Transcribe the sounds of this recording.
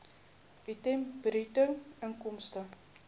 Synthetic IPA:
itɛmbɾitəŋəŋkɔmstə

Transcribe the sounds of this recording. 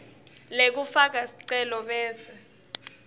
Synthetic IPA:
lek̬ufak̬asiǀɛlɔɓɛːsɛ

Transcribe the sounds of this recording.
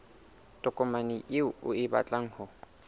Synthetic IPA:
tʼɔkʼɔmanɪʔɪʊʊɪba̰t͡ɬʼaŋ̩hɔ

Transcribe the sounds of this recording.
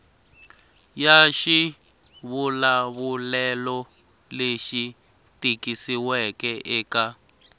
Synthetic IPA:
jaʃi | βulaβulɛlɔ | leʃi | tikisiwɛkɛʔɛːka

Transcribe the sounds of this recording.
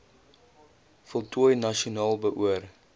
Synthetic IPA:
fɔlˠtʰuəjnɐʃiunɑːlˠbəʔuər

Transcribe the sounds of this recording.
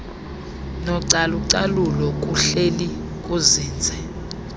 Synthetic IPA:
nɔǀaluǀalulɔkʼuɬeli | kʼuziːnd͡zʱɛ

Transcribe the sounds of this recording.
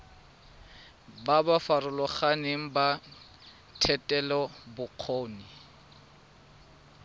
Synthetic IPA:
babafarʊlɔχaneŋ̩ba | tʰɛtʼɛlɔbʊq͡χʰoːni

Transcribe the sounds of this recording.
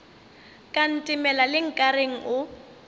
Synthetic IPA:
kʼan̩tʼɪmɛlalɪŋ̩kʼareŋ̩ʔʊ

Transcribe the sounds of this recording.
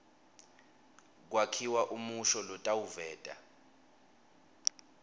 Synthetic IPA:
k̬wakʰiwaʔumuʃɔlɔtʼawuvɛːtʼa̰

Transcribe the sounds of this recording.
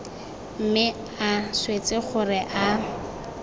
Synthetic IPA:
m̩mɪ | aswet͡sɪχʊrɪʔa

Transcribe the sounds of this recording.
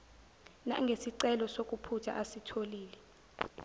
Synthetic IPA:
na̰ŋɡʱesiǀɛlɔsok̬ʼupʰutʰa̰ʔasitʰoliːlɛ

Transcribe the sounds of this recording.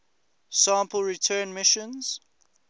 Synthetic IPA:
sãːˑmpəlˠɹitʰɜːnmɪʃə̃nz̥

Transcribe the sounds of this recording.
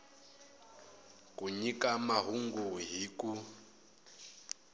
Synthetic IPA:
kʼuɲikamaɦuŋɡuɦiːkʼu

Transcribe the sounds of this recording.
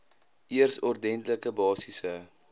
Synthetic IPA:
ʔiərsɔrdɛntləkəbɑːsisə

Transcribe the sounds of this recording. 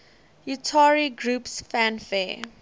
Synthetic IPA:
jutʰaɹiɡɹupsfæ̃nfɛ

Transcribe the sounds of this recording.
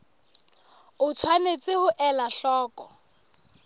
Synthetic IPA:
ʊt͡sʰwanet͡sʼɪhʊʔɛlaɬɔːkʼɔ

